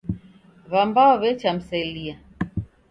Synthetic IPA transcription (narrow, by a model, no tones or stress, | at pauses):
βambaɔβɛt͡ʃam̩sailia